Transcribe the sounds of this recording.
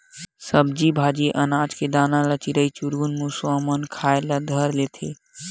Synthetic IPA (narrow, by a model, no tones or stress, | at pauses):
səbd͡ʒibʱad͡ʒiʔənad͡ʒked̪analət͡ʃiɾəit͡ʃuɾɡunmũsamənkʰaelad̪ʱəɾlet̪ʰe